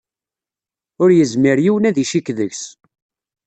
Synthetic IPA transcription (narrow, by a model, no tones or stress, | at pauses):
ʊɾjəzmiɾjiwənæðiʃikðəʝs